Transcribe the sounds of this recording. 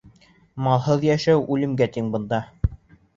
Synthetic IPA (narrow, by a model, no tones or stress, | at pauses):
mɑlˠhɤðjæʃæwʔʉlɘ̆mɡæt̪iŋbɤ̆nd̪ɑ